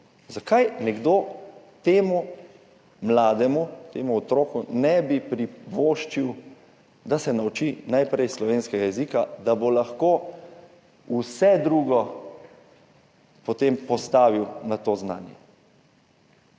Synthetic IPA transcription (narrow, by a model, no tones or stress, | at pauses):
zakajnɛɡd̪oː | t̪eːmu | mlaːd̪ɛmut̪eːmuɔt̪ɾoːkunɛbipɾiʋoːʃt͡ʃiw | d̪asɛnaut͡ʃinajpɾɛjslɔʋeːnskɛɡajɛziːkad̪abolaxkoː | usɛd̪ɾuːɡɔ | pɔt̪empɔst̪aːʋiwnat̪oːzna̰ːnjɛ̰